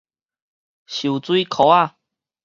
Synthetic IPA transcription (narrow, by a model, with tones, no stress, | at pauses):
ɕu˨˩t͡swi˦kʰo˨˦a˥˧˨